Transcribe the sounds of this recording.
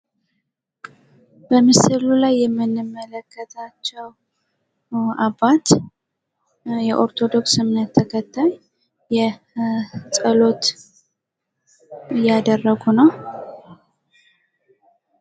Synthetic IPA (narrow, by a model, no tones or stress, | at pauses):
b̥əmɨsɨlulajːɛmːɨnːɨmːələkʰːət̪ʰat͡ʃːɛw | aβat̪ | jɛʔo̞ɾt̪ʰo̞d̪o̞ksɨmnət̪ʰːəkʰət̪ʰːajː | ɛ | sʼəlo̞t̪ | ɨjːad̪ərːəɡunəw